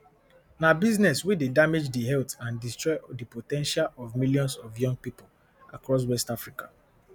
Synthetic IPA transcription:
nabiznɛswidedamed͡ʒdiɦɛltãndistɹɔɪdəpotɛ̃nʃalɔvmiljɔ̃nsɔvjɔ̃ŋɡ̚pipol | a̰kɹɔs̬wɛstafɹikḁ

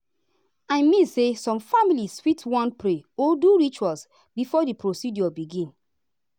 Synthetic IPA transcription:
ãɪmĩsesɔ̃mfamiliswitʰwɔ̃npɾeoduɹit͡ʃwals | bifɔdipɾosidjɔbiɡĩn

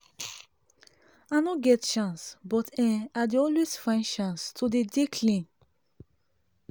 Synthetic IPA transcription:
anɔɡɛtʃãnsbɔtʰɛ̃ad̪eɔlwesfãɪ̃nʃãnstʰud̪edekʰlĩŋ

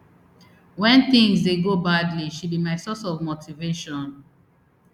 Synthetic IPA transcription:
wɛ̃nθĩŋsdeɡobadliʃud̚bimaɪsɔsɔvmotiveʃɔ̃n

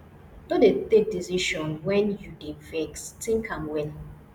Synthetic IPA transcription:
dodetek̚disiʃɔ̃nwɛ̃njudevɛkstĩŋkʰãmwɛn

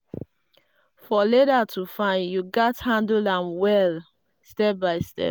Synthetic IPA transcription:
fɔleɾatʰufãɪ̃njuɡathãndãmwɛl | stɛp̚baɪstɛ̰p

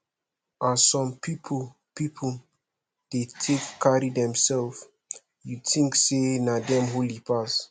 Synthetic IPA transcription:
ʔasɔ̃mpipʰo | pipʰo | d̥etʰekːaɹidɛ̃msɛlf | jutĩŋksenadɛ̃mɦolipas

